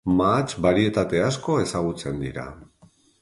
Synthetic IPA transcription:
mat͡ʃβaɾie̞t̪at̪e̞asko̞e̞saɣ̞ut͡se̞nd̪iɾa̰

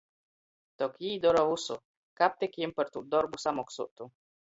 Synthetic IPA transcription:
t̪okid̪oɾovuso | kap̚t̪ekjimpəɾt̪uʔd̪oɾbusamoksṵʔt̪u

